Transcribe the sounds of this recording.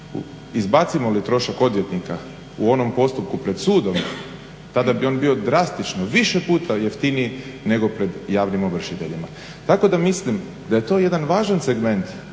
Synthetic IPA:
ṵ | izbat̪simo̞lit̪ɾo̞ʃako̞d̪ʋjet̪nika | uo̞no̞mpo̞st̪up̚kupɾe̞d̪̥suːd̪o̞m | t̪ad̪abio̞ːnbio̞d̪ɾast̪it͡ʃnoʋiʃe̞puːt̪aje̞ft̪iniine̞ɡo̞pɾe̞d̪jaːʋnimo̞ʋr̩ʃit̪e̞ʎima | t̪ako̞d̪amislim | d̪aje̞t̪o̞ːje̞d̪anʋaːʒanse̞ɡme̞nt̪

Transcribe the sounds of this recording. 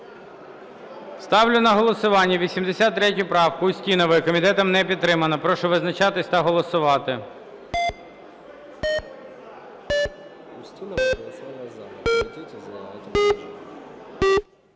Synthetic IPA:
st̪ɑwlʲʊnɐɦɔlˠɔsʊʋɑnʲːɐʋʲisʲimd̪esʲɑt̪ːɾɛtʲʊpɾɑwkʊʊsʲtʲinɔʋɪjkɔmʲit̪ɛt̪ɐmnɛpʲid̪t̪ːɾɪmɐnɐpɾɔʃʊʋɪznɐt͡ʃɑt̪ɪsʲt̪ɐɦɔlˠɔsʊʋɑt̪ɪ | ʊsʲinˠ | zʲ | zʲ

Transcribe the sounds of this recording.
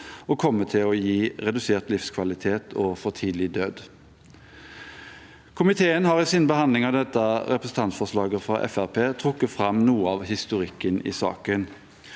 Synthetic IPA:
ɔːkʰɔmːət̪ʰɪlɔjiːʁɛd̪ʉseːʁt̪lɪfskʰʋɑlɪt̪ʰeːt̪ʰɔːfɔʁt̪ʰiːd̪l̩ɪd̪øːd̪ | kʰʊmɪt̪ʰeːənhɑʁiːsiːnbəhɑnd̪lɪŋɑʋd̪ɛt̪ːəʁɛpʁəsn̩t̪ɑnt̪fɔʁʂlɑːɡəfʁɑ̰ʔɛ̰fæʁpʰeːt̪ʰʁʊkːət̪fʁɑmnuːəɑːʋhɪst̪ʊʁɪkːənḭːsɑ̰ːkən

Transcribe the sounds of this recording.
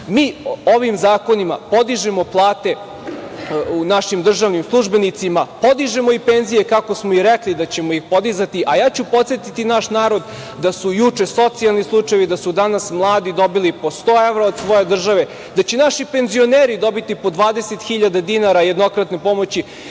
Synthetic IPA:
miːoʋimzaːko̞nima̰po̞d̪iʒemo̞plˠaːt̪e̞ | unaʃimd̪r̩ʒaʋnimslˠuʒbe̞nit̪simapo̞d̪iʒemoipenzijekako̞smoiɾeklid̪at͡ɕemoixpo̞d̪izat̪iʔajaːt͡ɕupo̞t̪sjet̪it̪inaʃnaːɾo̞d̪ | d̪asujut͡ʂeso̞t̪sialˠnislˠut͡ʂajeʋid̪asud̪anasmlˠaːd̪id̪o̞bilipo̞st̪oːeʋɾaod̪sʋo̞je̞d̪r̩ʒaʋe̞ | d̪at͡ɕenaʃipe̞nzio̞neːɾid̪o̞bit̪ipod̪ʋaːd̪eset̪xiʎad̪ad̪inaɾaje̞d̪no̞kɾat̪ne̞pomo̞t͡ɕi

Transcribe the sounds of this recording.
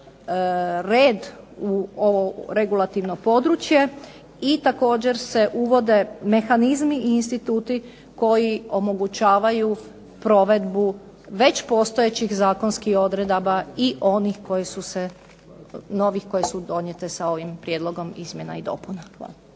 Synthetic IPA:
ɾeːd̪ | uoʋoɾe̞ɡulˠat̪iʋno̞po̞d̪ɾut͡ʃje̞ | it̪ako̞ːd͡ʑe̞ɾse̞ʔuʋo̞d̪e̞me̞xanizmiiːnst̪it̪uːt̪i | ko̞jio̞mo̞ɡut͡ɕaːʋaju | pɾo̞ʋe̞d̪bu | ʋe̞t͡ɕpo̞ːst̪o̞jet͡ɕixzaːko̞nskiho̞d̪ɾe̞d̪abaiʔo̞nixko̞jesuse | no̞ʋixko̞jesud̪o̞ɲjet̪esao̞ʋimpɾjed̪lˠo̞ɡo̞mizmje̞na̰id̪o̞̰ːpunaa̰l

